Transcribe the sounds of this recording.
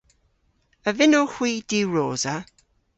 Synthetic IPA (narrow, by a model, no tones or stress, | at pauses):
əvɪnohw̥iːd̥iːwɹoːza